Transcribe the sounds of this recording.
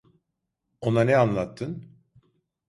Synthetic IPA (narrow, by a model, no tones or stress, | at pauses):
o̞nanɛanlˠat̪ʰːɯn